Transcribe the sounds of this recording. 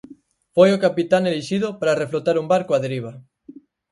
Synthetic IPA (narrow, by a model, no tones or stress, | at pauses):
fojokapit̪aŋeliʃiðʊpaɾareflot̪aɾumbaɾkoaðeɾiβ̞ɐ